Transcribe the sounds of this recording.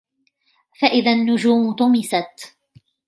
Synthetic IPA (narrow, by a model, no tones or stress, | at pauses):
faʔɪðanːʊd͡ʒuːmt̪ʊmɪsat̪